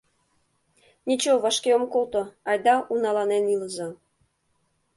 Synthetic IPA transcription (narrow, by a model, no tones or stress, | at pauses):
nʲit͡ɕoβɑʃkeomkolt̪oɑjd̪ɑʔunɑlɑneniləzɑ